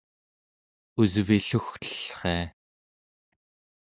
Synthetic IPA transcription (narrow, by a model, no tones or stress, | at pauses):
uzviɬuxt̪ə̥ɬχḛː